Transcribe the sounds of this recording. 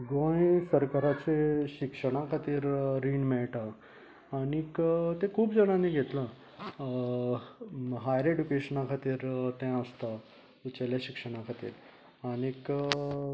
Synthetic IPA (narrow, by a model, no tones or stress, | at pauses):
ɡõjsəɾkaɾat͡seɕikʂəɽ̃akʰat̪iːɾɾiɳmɛɭʈaː | ɽ̃ikt̪ẽkʰuːbd͡zəɽ̃ãniːɡʱet̪la | ɦajɾeɖukeɕənakʰat̪iːɾt̪ɛ̃əst̪a | ut͡ɕaljaɕikʂəɽ̃akʰat̪ḭːɾ | aɽ̃ik